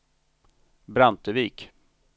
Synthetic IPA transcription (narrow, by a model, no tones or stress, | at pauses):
bɾant̪əviːk